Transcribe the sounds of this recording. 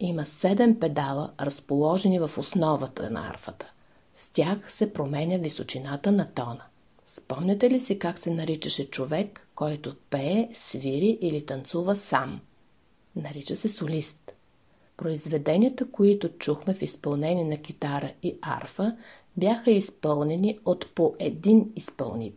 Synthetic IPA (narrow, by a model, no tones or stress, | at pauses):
iməsɛd̪ɛmpɛd̪alˠə̰ɾəspolˠɔʒɛnivɐfosnɔvət̪ə̰nɐ̰a̰ɾfət̪ə̥ | stʲaxsɛpɾomɛnʲəvisot͡ʃinat̪ənɐt̪ɔnə | spɔmnʲɐt̪ɛlisikaksɛnɐɾit͡ʃəʃɛt͡ʃovɛkːɔjt̪opɛːsviɾiʔilit̪ɐnt̪suvəsam | nɐɾit͡ʃəsɛsolist̪ | pɾoizvɛd̪ɛnʲiət̪əkoit̪ʊt͡ʃuxmɛfispɐlˠnɛnʲiɛnɐkʲit̪aɾəia̰ɾfə | bjaxəispɤlˠnɛniot̪poʔɛd̪inispə̰lˠnḭt̪